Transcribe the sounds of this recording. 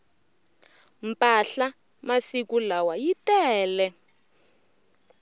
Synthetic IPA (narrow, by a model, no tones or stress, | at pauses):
m̩pʼaɬa | masikulawajitɛːlɛ